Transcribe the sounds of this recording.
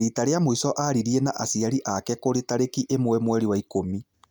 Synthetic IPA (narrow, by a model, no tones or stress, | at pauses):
itaɾeamoisɔʔaɾiɾiɛnaʔasiaɾiʔakɛkoɾetaɾekiʔemwɛmwɛɾiwaikomi